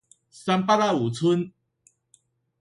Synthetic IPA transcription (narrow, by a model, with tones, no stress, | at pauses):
sa˧mpa˦ɾa˥˧u˨˩t͡sʰu˦n